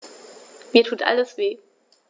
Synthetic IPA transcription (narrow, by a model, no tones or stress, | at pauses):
miːɐtʰuːtʔa̰ləsv̥eː